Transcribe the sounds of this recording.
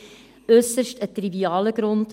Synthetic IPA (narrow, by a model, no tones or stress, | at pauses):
øːsəʃtətːriviɑːləɡɾɔnt